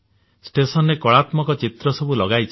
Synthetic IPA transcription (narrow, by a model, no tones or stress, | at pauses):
sʈesɔnɾekɔɭat̪mɔkɔt͡ʃit̪ɾɔsɔbulɔɡajt͡ʃʰ